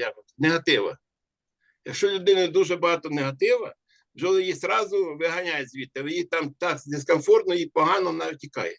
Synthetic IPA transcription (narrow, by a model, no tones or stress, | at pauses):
ab̪neɦɐt̪ɪʋɐ̰ | jɐkʃt͡ʃɔlʲʊd̪ɪnɐd̪uʒɛbɐɦɑt̪ɔneɦɐt̪ɪʋɐ̰ | wʒɛlˠɪjisɾɑzʊʋɪɦɐnʲajʊsʲzʲʋʲit̪ːɪʋɪjit̪ɑmt̪ɑkd̪eskɔnfɔrt̪nɔipɔɦɑnɔnɑʋʲitʲikɑ̰jɛ